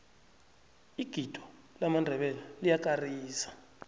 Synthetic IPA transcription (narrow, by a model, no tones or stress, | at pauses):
iɡ̥ʱidʼʱɔ | lamandʱɛɓɛlalijakʼariːsḁ